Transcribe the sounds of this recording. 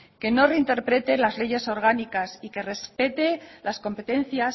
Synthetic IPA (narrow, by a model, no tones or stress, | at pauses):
ke̞no̞re̞int̪e̞ɾpɾe̞t̪e̞lazle̞ʝe̞so̞ɾɣ̞anikasike̞re̞spe̞t̪e̞lasko̞mpe̞t̪e̞n̟θjas